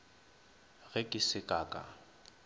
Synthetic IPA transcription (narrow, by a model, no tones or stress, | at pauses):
ɣɛkʼɪsɪkʼaːkʼa̰